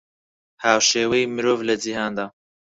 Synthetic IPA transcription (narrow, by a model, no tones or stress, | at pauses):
haːwʃeːwɐjimɨɾoːvlɐd͡ʒihaːnd̪aː